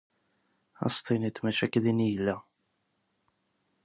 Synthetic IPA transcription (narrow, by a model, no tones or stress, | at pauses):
ɑ̰st̪ˤinit̪mæʃækːðinijəlːæ